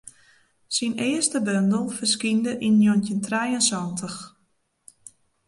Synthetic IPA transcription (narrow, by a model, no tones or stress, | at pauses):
sinɪəstəbøndəlˠfərskindəʔinːjontəntrɛjənsɔntʰəx